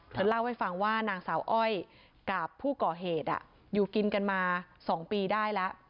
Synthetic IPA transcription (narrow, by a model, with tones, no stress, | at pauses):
t̪ʰa˧˦la˥˩wha˥˩jfa˧ŋwaː˥˩naː˧ŋsaː˩˦wʔɔ˥˩j | kaː˨˩pʰːuː˥˩kɔː˨˩ɦeː˨˩t̪̚ʔa̰˨˩ʔ | juː˨˩ki˧nka˧nmaː˧sɔː˩˦ŋpiː˧daː˥˩jlɛ˦˥ʔ